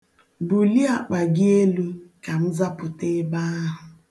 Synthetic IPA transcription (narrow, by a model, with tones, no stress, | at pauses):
bu˨li˦a˨k͡pa˨ɡɪ˦e˦lu˦ka˨m̩˦za˦pʊ˨te˦ba˦ɦʊ˨